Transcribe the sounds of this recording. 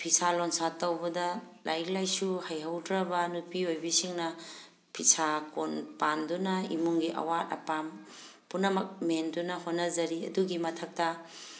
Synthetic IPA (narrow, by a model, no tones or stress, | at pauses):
pʰisalonsatɐwbɐdɐlʔa̰jklajsuhɐjɦɐwdɾɐbɐnupiojbisiŋnɐ | pʰisakonpandunɐimuŋɡiʔɐ̰watɐ̰pam | punɐmɐk̚mendunɐhotnːɐzɐɾiɐ̰duɡimɐtʰɐk̚tɐ